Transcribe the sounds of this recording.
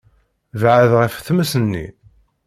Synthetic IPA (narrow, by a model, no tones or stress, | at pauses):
vʕəðʁəfθməsənːḭ